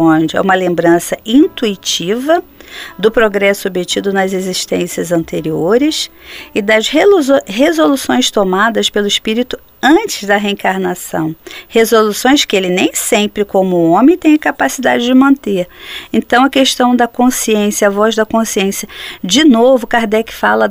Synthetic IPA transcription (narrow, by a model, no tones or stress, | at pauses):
õd͡ʒɪɛ̰ũmɐlẽmbɾɐ̃sɐĩnt̪uit͡ʃivɐd̪ʊpɾoɡɾɛsʊobɪt͡ʃid̪ʊnɐzeziʃt̪ḛ̃siɐzɐ̃nt̪eɾioɾɪsɪd̪ɐzɦɦezolusõj̃st̪omad̪ɐspelʊispiɾit̪ʊ | ɐ̃t͡ʃɪzd̪ɐɦeẽŋkaɾnasɐ̰̃w̃hezolusõj̃skɪelɪnẽj̃sẽmpɾɪkõmʊõmẽj̃t̪ẽj̃ɐkapasid̪ad͡ʒɪd͡ʒɪmɐ̃nt̪eɾẽnt̪ɐ̃w̃ɐkeʃt̪ɐ̃w̃d̪ɐkõsiẽsjɐɐvɔzd̪ɐkõsiẽsjɐd͡ʒɪnovʊkaɾd̪ɛkɪ̥fa̰lɐ